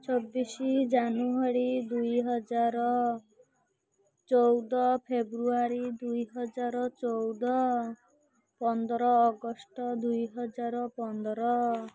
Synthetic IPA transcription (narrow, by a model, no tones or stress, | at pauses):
t͡ʃʰobːisid͡ʒanuaɽid̪ujɦɔd͡ʒaɾɔ | t͡ʃɔwd̪ɔpʰebɾuaɾid̪ujɦɔd͡ʒaɾɔt͡ʃowd̪ɔ | pɔnd̪ɔɾɔːɡɔsʈɔd̪ujɦɔd͡ʒaɾɔpɔnd̪ɔɾɔ